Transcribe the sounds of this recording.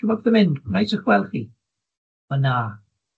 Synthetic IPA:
əbɔðəmɪndnajsəχwɛlˠχi | əna

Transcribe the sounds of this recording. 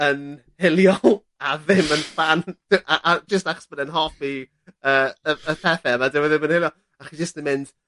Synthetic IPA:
ən | hɪlˠjɔlˠ | aðɪmənfand̥ɪʔaʔad͡ʒəstaχɔ̥sb̥ədɛnɦɔpi | əːəəpʰɛθɛəmadɪwɛðɪmə̃nhɪlˠjɔlˠ | aχid͡ʒəstɪmɪnd̥

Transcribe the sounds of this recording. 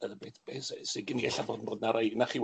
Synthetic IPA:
əbeːθb̥eːseseɡɪniɛ̰ɬaboːdnboːdnaɾajnaχiw

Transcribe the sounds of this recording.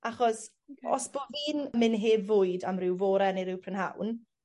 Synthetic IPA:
aχɔs | ɔ̰sb̥oviːnmɪnɦeːvʊjdamrɪwvoːɾɛnɪɾɪwpʰrənha̰wn

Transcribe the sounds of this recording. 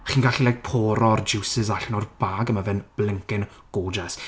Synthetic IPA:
χiːnɡaɬilˠajk̚pʰɔːɾɔrd͡ʒɪwsɪzaɬnɔrb̥aɡəmavɛnb̥lɪŋkɪn | ɡ̥oːd͡ʒɛs

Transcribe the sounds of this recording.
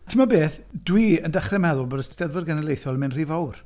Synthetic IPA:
tʰəmabeːθd̥wiəndaχrɛmɛðʊlˠbodəsstɛðvərɡanəlˠejθjɔlˠəmɪnr̥iːvawr

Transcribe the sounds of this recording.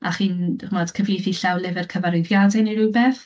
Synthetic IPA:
ʔaχiːnχumɔd̥kʰəvijθiɬawlˠɪvɛrkʰəvaɾɪðjadɛniɾubɛθ

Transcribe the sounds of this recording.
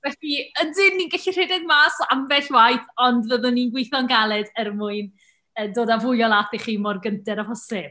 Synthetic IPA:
vɛfiəndɪnːinɡəɬir̥ɪdɛɡmaːsamvɛɬwajθɔndvəðʊnːinɡwɪjθɔnɡalˠɛdərmʊɨn | ədoːdavʊjɔlˠaθiχiːmɔrɡəntɛɾahɔsɪb̥̚

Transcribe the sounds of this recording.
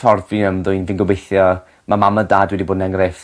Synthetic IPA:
tʰɔrviəmðʊjnvɪnɡɔbejθjɔ | mamamədaːdwɛdiboːdnɛŋref

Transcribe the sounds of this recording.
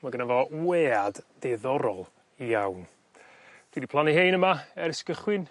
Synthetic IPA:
maɡənavɔweːadd̥ɛðɔɾɔlˠ | ijawn | d̥widipʰlˠanɛhejnəmaɛɾɪskəχwɪn

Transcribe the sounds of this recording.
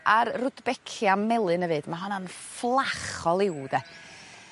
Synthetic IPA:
ʔarrʊdbɛkʰjamɛlˠɨnəvɨːd̥maɦɔnanflˠaχɔlˠɪwd̥ɛ

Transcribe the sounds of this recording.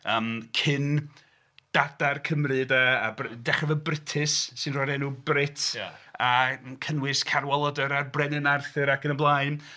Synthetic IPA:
əːmkʰɪn | d̥adarkʰəmrɨdaːbrdɛχɛvəbrɪtʰɨsːɨnrɔːdɛnubrɪtʰakʰənwɪskʰaɾwɔlˠɔdəɾarbrɛnɨnarθɨɾakʰənənblˠaɨn

